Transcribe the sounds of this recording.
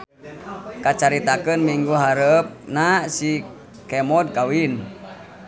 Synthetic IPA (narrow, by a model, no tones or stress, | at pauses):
kat͡ʃaɾit̪akənmiŋɡuɦaɾəp̚nasi | kɛmɔd̚kawin